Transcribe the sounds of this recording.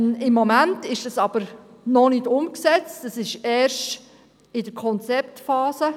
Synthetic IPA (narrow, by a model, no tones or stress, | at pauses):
ɪmːɔmæntɪʃd̥ɑsɑb̥əɾ | nɔnɪdʊmksɛt͡stəsɪʃɛːɾʃt | ɪdəɾkʰɔnt͡sɛptfɑːsə